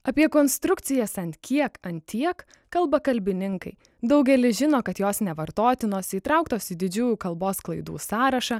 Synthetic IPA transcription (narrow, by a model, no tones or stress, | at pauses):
ɐpʲiɛkoːnst̪ɾʊkt̪sʲɪjɛsɐnt̪ʲkʲiɛkɐnt̪ʲiɛk | kɐlˠbɐkɐlʲbʲɪnʲɪŋkɐɪ | d̪ɐʊɡʲɛlʲɪʒʲɪnoːkɐt̪joːsnʲɛʋɐɾt̪oːt̪ʲɪnoːsiːt̪ɾɑʊkt̪oːsɪd̪ʲɪd͡ʒʲuːjuːkɐlˠboːsklˠɐɪd̪ṵːsɑːɾɐʃɑ